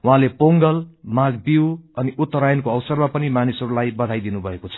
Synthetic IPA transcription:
wɦãlepoŋɡʌlmaɡbiwʌniut̪ːʌɾajʌnkoʌwsʌrmapʌnimanisʌɾulajbʌd̪ʱajd̪inubʱʌekot͡sʰʌ̥

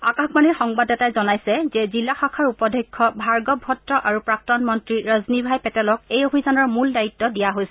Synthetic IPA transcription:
akakmaniɹxɔŋbadɛtajzɔnajsɛzɛzilːaxakʰaɹupɔdʱekʰːɔbʱaɹɡɔbʱɔtɹɔʔaɹupɹak̚tɔnmɔntɹiɹaznibʱajpɛtɛlɔkejobʱizanɔɹmuldajitːɔdijaɦojsɛ

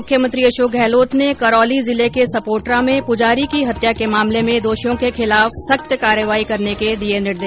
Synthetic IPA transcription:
ʊkʰjəmə̃nt̪ɾiɐʃoːk̚ɡʱɛːloːt̪nekɐɾɔːlizɪlekesɐpoːɾʈɾãmẽpʊd͡ʒaːɾikiɦɐt̪jakemaːmlemẽd̪oːʃijõkexʰɪlaːfsɐk̚t̪jəkaːɾjəʋaːikɐɾneked̪ienɪɽd̪eː

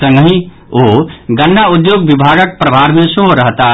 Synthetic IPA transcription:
ə̃ŋɡɦĩ | oɡənːaud̪joːɡ̚bibʱaːɡək̚pɾəbʱaɾmẽsoɦoɾəɦt̪a

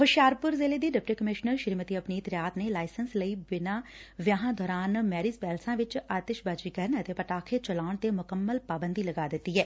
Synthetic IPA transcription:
hʊʃjaːɾpʊɾzeːleːd̪iːɖɪp̚ʈəkəmɪʃnəɾʃɪɾmət̪iːəpniːɪt̪ɾjaːt̪neːlaːɪsənsləiːbɪnãːʋjaːɦãːd̪ʱɔːɾaːnmɛːɾiːzpɛːlsãːʋɪt͡ʃaːt̪eʃbaːd͡ʒiːkɛɾnət̪eːpəʈaːkʰeːt͡ʃəlaːʊɳt̪eːmʊkəmːəlpaːbənd̪iːləɡaːd̪ɪt̪ːiːɦɛː

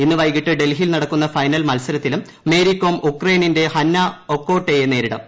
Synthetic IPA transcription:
inːɨʋɐjkiʈːɨɖe̞lɦilnɐɽɐkːunːɐfɐjnɐlmɐlsɐɾɐt̪ːilumːe̞ːɾikːoːmukrɐjninde̞hɐnːɐokːo̞ːʈːejene̞ːɾiɽɐ̰m

